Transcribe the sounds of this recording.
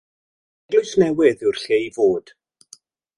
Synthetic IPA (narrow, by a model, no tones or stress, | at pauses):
ɡlʊjsnɛwɪðɪwrɬeivoːd̥